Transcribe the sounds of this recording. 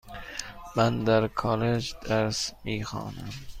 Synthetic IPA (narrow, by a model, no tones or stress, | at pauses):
mænd̪æɾkʰɒːled͡ʒd̪̥æɾsmiːxɑ̰ːnæm